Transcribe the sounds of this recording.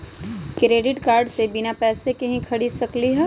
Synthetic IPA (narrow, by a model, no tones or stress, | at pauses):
kɾeːɖɪʈkaːɾɖsebɪnapɛːsekɐɦĩkʰɐɽisɐkliɦɛː